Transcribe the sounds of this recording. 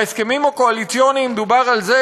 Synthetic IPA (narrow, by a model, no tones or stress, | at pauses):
eske̞mimokoalit͡sionimed̪ubaʁalze